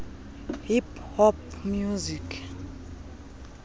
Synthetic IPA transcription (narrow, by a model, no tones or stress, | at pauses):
hiphɔpmjuzikʰ